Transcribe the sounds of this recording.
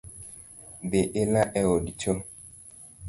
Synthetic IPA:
beʔelaʔɛwodit͡ʃo

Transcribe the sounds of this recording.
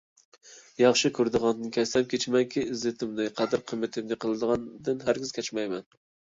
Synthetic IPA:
jɑχʃikʲʰøɾd̪əʁɑnd̪ɨnkʲʰɛsɛmkʲʰet͡ʃʰmɛŋkʲiːzɪt̪ʰɪmnɪqʰæd̪ɨɾqʰəmːɪt̪ʰɪmnɪqʰəlˠɨd̪əʁɑnd̪ɨnɦæɾɡʲɪz̥kʲʰɛt͡ʃmɛjmɛn

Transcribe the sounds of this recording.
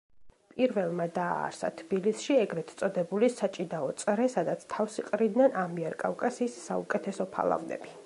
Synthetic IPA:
pʼiɾvɛlˠmad̪a̰ːɾsa̰t̪ʰbilisʃiɛɡɾɛt̪sʼɔd̪ɛbulisat͡ʃʼinaɔt̪sʼɾɛsad̪at̪sʰt̪ʰavsiqʼɾid̪nɛnamiɛɾkʼavkʼasiːsːa̰ṵkʼɛt̪ʰɛsɔpʰa̰lˠa̰vnɛ̰bi

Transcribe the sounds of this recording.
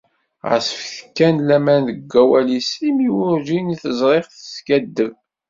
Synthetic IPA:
ʁə̰sə̥fθkːænlæmænðəɡʷːæwælisimiwʊɾʒiniθəzˤɾˤeχθə̥skæd̪ːəv

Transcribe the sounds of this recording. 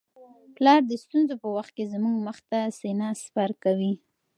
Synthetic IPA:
plɑɾd̪əst̪unzopəwaxt̪̚kezmuɡməxt̪asenɑspaɾkawi

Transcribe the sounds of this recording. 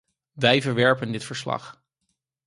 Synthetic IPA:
ʋɛjvəɹʋɛɹpəndɪtfəɹslɑ̰χ

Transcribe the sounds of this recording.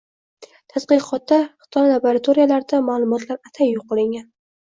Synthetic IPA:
t̪ʰasqɨqʰɒt̪̚d̪aχɨ̥t̪ʰɒjlˠaboɾat̪ʰoɾijalaɾd̪amaːlˠʊmɒt̪ʰlaɾat̪ʰajːoqːɨlˠɪŋɡʲan

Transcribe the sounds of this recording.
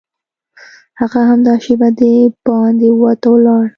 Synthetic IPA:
haɣaɦamd̪ɑʃebad̪əbɑnd̪ewɑt̪awlɑɽ

